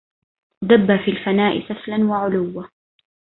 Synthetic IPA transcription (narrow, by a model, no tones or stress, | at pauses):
d̪abːafiːlfanaːʔɪ̰saflanwaʕʊlʊwːa